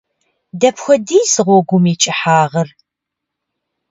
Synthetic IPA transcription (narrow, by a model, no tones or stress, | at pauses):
dɐpxʷɔdiːzɨʁʷɔɡʷʊmiːt͡ʃʼɪħaːʁɐr